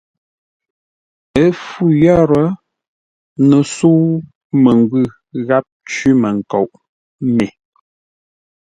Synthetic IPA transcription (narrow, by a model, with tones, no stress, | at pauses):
ə˦fu˦˨jɔ˦ɾə˦ | nə˨su˦ | mə˨ŋ˨ɡʉ˦˨ | ɣa˦p̚t͡ʃi˦mə˨ŋ̩˨ko˨ʔ | me˨